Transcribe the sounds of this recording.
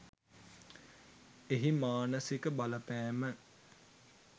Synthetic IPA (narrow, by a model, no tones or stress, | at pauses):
eɦimaːnəsikəbaləpæːmə